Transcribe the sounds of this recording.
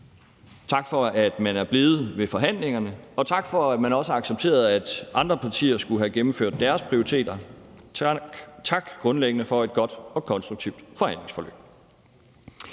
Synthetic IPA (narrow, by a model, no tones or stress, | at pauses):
t͡sʰɑ̈ɡ̥fɒ̽æd̥mænæɐb̥le̝ːð̞̩ˠʋe̝fɒ̽ɦæn̰le̝ŋɐnəɒ̽t͡sʰɑ̈ɡ̥fɒ̽æd̥mænɒ̽səɑ̈ɡ̥səb̚t͡sʰe̝̰ːɐð̞̩ˠæd̥ʔɑ̈nd̥ʁɐpʰɑ̈t͡sʰḭːɐsɡ̥uɦæɡ̥emm̩fø̰ɐ̰d̥ːæɐspʰʁioʁit͡sʰe̝̰ːd̥ɐ | t͡sʰɑ̈ɡ̥ɡ̥ʁɔ̽nleɡ̥ənəfɒ̽e̝d̥̚ɡ̥ɒ̽d̥ɒ̽kʰɒ̽nsd̥ʁuɡ̥̚t͡sʰiʊd̥fɒ̽hæn̰le̝ŋsfɒlø̰ːb̥